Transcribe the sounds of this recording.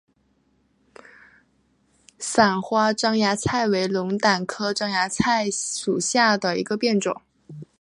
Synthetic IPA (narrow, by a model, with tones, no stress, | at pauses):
sa˨˩nxwa˥ʈ͡ʂɑ˥ŋja˧˥t͡sʰa˥˩ɪwe˧˥ɪlʊ˧˥ŋt̪a˨˩nkʰɤ˥ʈ͡ʂɑ˥ŋja˧˥t͡sʰa˥˩ɪʂu˨˩ɕja˥˩d̪ə˩ḭ˧˥ɡə˧pjɛ˥˩nʈ͡ʂʊ̰˨˩˦ŋ